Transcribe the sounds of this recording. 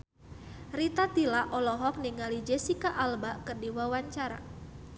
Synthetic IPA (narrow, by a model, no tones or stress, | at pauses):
rit̪at̪ilaʔɔlɔɦɔk̚niŋalid͡ʒesikaʔalbakɨrdiwawaɲt͡ʃaɾa̰